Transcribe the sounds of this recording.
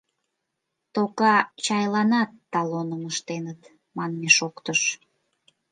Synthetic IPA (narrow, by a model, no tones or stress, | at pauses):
t̪okɑt͡ɕɑjlɑnɑt̪ːɑlonəməʃt̪enət̪ | mɑnmeʃokt̪əʃ